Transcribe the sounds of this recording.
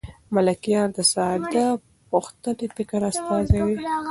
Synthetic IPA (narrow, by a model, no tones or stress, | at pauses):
malakijɑɾd̪əsɑd̪a | puxt̪ənepɪkɾast̪ɑzawi